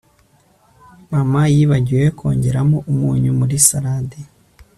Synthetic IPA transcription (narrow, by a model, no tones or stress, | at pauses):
mamajiβaɟiwekʰo̞̰ːɲɟe̞ɾamoʔumuːɲumuɾisaɾade